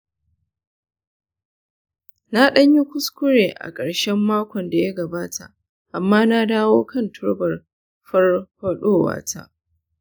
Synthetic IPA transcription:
na˦ɗɐ˦ɲji˦kʷʊ˦skʷʊ˦ɽeː˨ʔa̰˨kʼɐ˨ɽʃɛ˦mːaː˦kʷɔ˨nda˨jɐ˦ɡɐ˨baː˦tʰa˨ʔ | ʔa˨mːaː˦na˦daː˦woː˦kɐ˦˨ntʰʊ˦ɽbɐ˨r | ɸɐ˦rɸɐ˦ɗoː˦wa̰ː˦˨tʰa̰˦ʔ

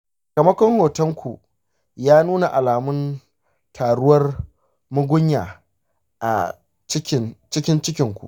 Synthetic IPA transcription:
ka˨mɐ˦kʷɔ˦ŋhoː˨tɐ˦ŋkʷu˨ | jaː˦nuː˦na˨ʔa˨laː˨mʊ˦n | tʰaː˨ɽʊ˦wɐ˦r | mʊ˦ɡʷʊ˦ɲjaː˨ | ʔa̰˨ | t͡ʃɪ˦kʲɪ˦nt͡ʃɪ˦kʲɪ˦nt͡ʃɪ˦kʲɪ˨ŋkʷṵ˨ʔ

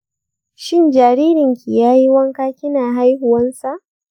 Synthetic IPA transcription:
ʃɪ˦nd͡ʒaː˨ɾiː˦ɾɪ˨ŋkʰʲi˨jaː˦ji˦wɐ˦ŋkaː˦kʲɪ˦naː˨ɦa˦jɦʊ˨wɐ˦nsa˨ʔ

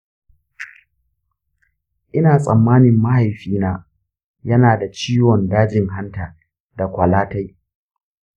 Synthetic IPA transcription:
ʔɪ˦naː˨sʼɐ˨mːaː˦nɪ˨mːa˦ha˨jɸiː˦naː˦ | jɐ˦naː˨da˨t͡ʃiː˦wɔ˨ndaː˦d͡ʒɪ˨ŋɦa˦ntaː˨ | da˨kʷɐ˨laː˦ta˦j

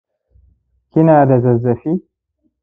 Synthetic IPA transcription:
kʲɪ˦naː˨da˨zɐ˨zːɐ˨ɸiː˦

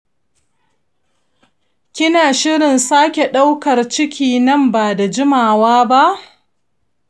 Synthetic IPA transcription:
kʲɪ˦naː˨ʃɪ˦ɽɪ˨nsaː˦kʲe˨ɗa˦wkɐ˨rt͡ʃɪ˦kʲiː˨nɐ˦mbaː˨da˨d͡ʒɪ˦maː˨waː˦ba˦ʔ

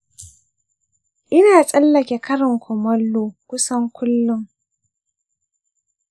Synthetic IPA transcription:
ʔɪ˦naː˨sʼɐ˦lːɐ˨kʲe˨kɐ˦ɾɪ˨ŋkʷʰɔ˨mɐ˦lːoː˦kʷʊ˦sɐ˦ŋkʷʊ˦lːʊ˦ŋ

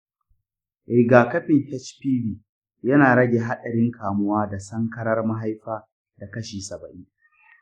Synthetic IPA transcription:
ʔɪ˨ɡaː˨kɐ˦ɸɪ˨ŋhɛ˦t͡ʃpiː˦biː˨ | jɐ˦naː˨ɽɐ˦ɡʲeː˨ɦa˦ɗɐ˨ɽɪ˦ŋkʰaː˨mʊ˦waː˦da˨sɐ˦ŋkɐ˦ɽɐ˦rma˦ɦa˦jɸaː˦ | da˨kɐ˦ʃiː˨sɐ˨bɐ˨ʔɪ˦ŋ

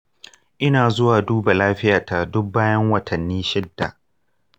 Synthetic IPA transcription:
ʔɪ˦naː˨zʊ˦waː˨duː˦ba˨laː˦ɸɪ˦jaː˨ta˨dʊ˦k̚baː˦jɐ˦ŋwɐ˨tʰɐ˨nːiː˦ʃɪ˦dːa˨ʔ

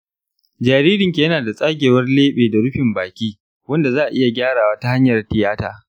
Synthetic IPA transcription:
d͡ʒaː˨ɾiː˦ɾɪ˨ŋkʲi˨jɐ˦naː˨da˨sʼaː˦ɡʲeː˨wɐ˦rleː˦ɓeː˨da˨ɽʊ˦ɸɪ˨mbaː˨kʲiː˦ | wɐ˦nda˨zaː˦ʔa̰˨ʔɪ˦ja˨ɡʲaː˦ɾaː˨waː˦ta˦ha˦ɲjɐ˨rtɪ˨jaː˦ta̰ː˨

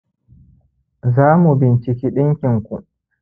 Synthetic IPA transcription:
zaː˦mu˨bɪ˨nt͡ʃɪ˨kʲiː˦ɗɪ˦ŋkʲɪ˨ŋkʷu˨

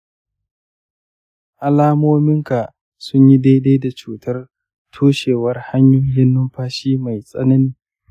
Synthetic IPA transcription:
ʔa˨laː˦moː˦mɪ˦ŋka˨ | sʊ˦ɲji˦de˦de˦da˨t͡ʃuː˨tʰɐ˦r | tʰoː˦ʃeː˨wɐ˦rha˦ɲjʊ˦ŋjɪ˦nːʊ˦mɸaː˦ʃiː˦ma˨jsʼɐ̰˦nɐ˦niː˨

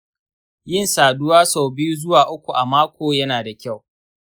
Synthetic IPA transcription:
jɪ˦nsaː˨dʊ˦waː˦sa˨wbɪ˦ju˦zʊ˦waː˨ʔʊ˦kʷu˨ʔa˨maː˦kʷoː˨jɐ˦naː˨da˨kʲa˦˨w

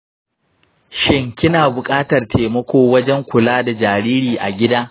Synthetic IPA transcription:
ʃɪ˦ŋkʲɪ˦naː˨bʊ˨kʼaː˦tɐ˨rtʰeː˨mɐ˦kʷoː˦wɐ˦d͡ʒɛ˦ŋkʷʊ˨laː˦da˨d͡ʒaː˨ɾiː˦ɾiː˨ʔa˨ɡʲɪ˦daː˦

